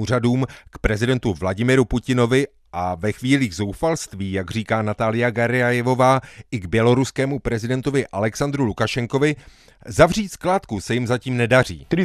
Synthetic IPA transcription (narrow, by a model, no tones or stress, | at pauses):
uːraduːmkpɾɛzɪdɛnt̪uvlaɟɪmɪɾupucɪno̞vɪ | ʔavɛxviːliːɣzo̞wfalst̪viːjaɡr̝iːkaːnat̪aːlɪjaɡaɾɪajɛvo̞vaːʔɪɡbjɛlo̞ɾuskɛːmupɾɛzɪdɛnt̪ovɪʔalɛksand̪ɾulukaʃɛŋko̞vɪ | zavriːt̪sklaːt̪kusɛjɪmzaciːmnɛdar̝ḭːt̪ɾi